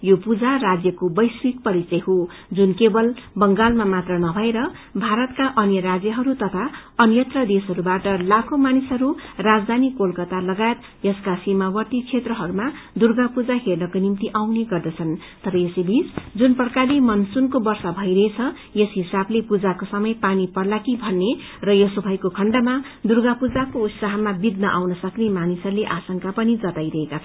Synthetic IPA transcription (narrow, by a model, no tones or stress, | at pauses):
jopud͡zarad͡zjʌkobʌjswik̚pʌɾit͡sʌɦo | d͡zunkebʌlbʌŋɡalmamat̪rʌnʌbʱʌeɾʌ | bʱaɾʌt̪kaʔʌnjʌɾad͡zjʌɦʌɾut̪ʌt̪ʰaʌnjʌt̪rʌd̪esʌɾubaʈʌlakʰomanisɦʌɾurad͡zd̪ʱanikolkʌt̪alʌɡajet̪ | jʌskasimawʌrt̪ikt͡sʰet̪rʌɦʌɾuma | d̪urɡapud͡zaɦernʌkonimt̪iʔawneɡʌrd̪ʌt͡sʰʌn | t̪ʌɾʌjesibʱisd͡zunpʌrkalimʌnsunkobʌrsʌbʱʌjɾʌɦet͡sʰʌ | jesɦisablepud͡zakosʌmʌjpanipʌrlakibʱʌnːe | rʌjʌsubʱʌjkokʰʌɳɖama | d̪urɡapud͡zakout̪saɦʌmabid̪nʌʔawnʌsʌknemanisʌɾuleʔasʌŋkapʌnid͡zʌt̪ajɾʌɦekat͡sʰ